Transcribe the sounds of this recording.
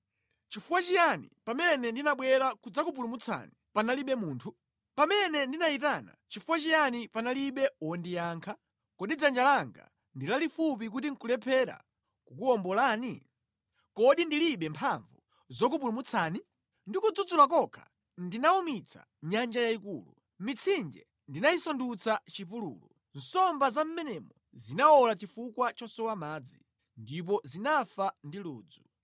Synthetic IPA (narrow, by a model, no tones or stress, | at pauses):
t͡ʃifuwat͡ʃijanḭpamɛnɛndinaɓwɛɾakud͡zakupulumut͡sʰa̰nipanaliɓɛmuːntʰu | pamɛnɛndinait̬ana̰t͡ʃifuwat͡ʃijanipanaliɓɛɔndijaːŋkʰa | kɔɗid͡zand͡ʒalaŋɡa̰ | ndilalifup̬ik̬utiŋ̩kulɛpʰɛɾa̰ | kuk̬uɔmbɔlaːni | kɔɗindiliɓɛmpʰaɱvu | zɔk̬upulumut͡sʰaːni | ndikud͡zud͡zulak̬ɔkʰḁ̰ | ndinaumit͡sʰa̰ | ɲand͡ʒajaikuːlu | mit͡sʰind͡ʒɛ̰ | ndinaisɔndut͡sat͡ʃipulṵːlu | n̩sɔmbazam̩mɛnɛmɔ | zinaɔlat͡ʃifukwat͡ʃɔsɔwamaːd͡zi | ndip̬ɔzinafandiluːd͡zu